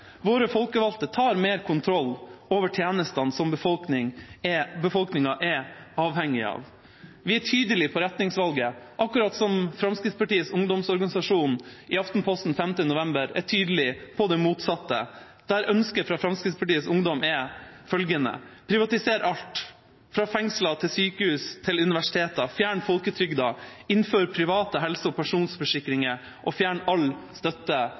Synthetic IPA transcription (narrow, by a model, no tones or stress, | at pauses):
ʋoːɾəfɔlkəʋɑlt̪ət̪ʰɑːɾmeːɾkʰʊnt̪ʰɾɔlːoːʋəʈʰjeːnəst̪ɑnsɔmbəfɔlknɪŋɛbəfɔlknɪŋɑʔɛɑːʋhɛŋːɪɑ̰ːʋ | ʋɪæʈʰyːd̪əlɪpʰɔɾɛt̪nɪŋsʋɑlɡəʔɑkːʉɾɑt̪sɔmfɾɑmskɾɪt̪spʰɑʈiːəsʊŋd̪ɔmsɔɾɡɑnɪsɑʂuːnʔɪɑft̪n̩pʰɔst̪n̩fɛmt̪ənʊʋɛmbəɾæ̰ʈʰyːd̪əlɪpʰɔd̪ɛmuːt̪sɑt̪ːə | d̪̥æɾœnskəfɾɑfɾɑmskɾɪt̪spʰɑʈiːəsʊŋd̪ɔmɛfœlɡənə̰pʰɾɪʋɑt̪ɪseːɾʔɑlʈ̪ | fɾɑːfɛŋslɑt̪ʰɪlsyːkəhʉːst̪ʰɪlʉnɪʋæʂɪ̥t̪ʰeːt̪ɑfjæːɳfɔlkət̪ʰɾʏɡd̪ɑɪnføːɾpʰɾɪʋɑːt̪əɦɛlsəɔpʰæʂuːnsfɔʂɪkɾɪŋə | ʔɔfjæːɳɑlst̪œt̪ːə